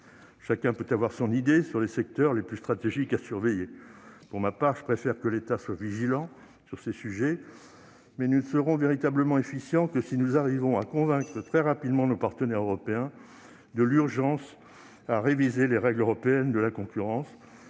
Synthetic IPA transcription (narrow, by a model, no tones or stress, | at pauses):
ʃakʲɛ̃pøt̪avwaʁsɔ̃nid̪esyʁlesɛk̚t̪œʁleplyst̪χat̪eʒikasyʁvɛjepuʁmapaʁʒəpχefɛʁkəlet̪aswaviʒilɑ̃ | syʁsesyʒɛ | mɛnusəʁɔ̃veʁit̪abləmɑ̃efisjɑ̃kəsinuzaʁivɔ̃akɔ̃vɛ̃kχət̪χɛʁapid̪mɑ̃nopaʁt̪ənɛʁøʁɔpeɛ̃ | d̪əlyʁʒɑ̃s | aʁevizeleʁɛɡløʁɔpeɛnd̪əlakɔ̃kʲyʁɑ̃s